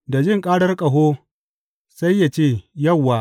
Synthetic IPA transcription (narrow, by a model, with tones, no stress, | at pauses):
da˨d͡ʒɪ˦ŋkʼaː˦ɽɐ˦rkʼɐ˨ɦoː˦ | sa˦jːa˨t͡ʃeː˦˨jɐ˦˨wːaː˨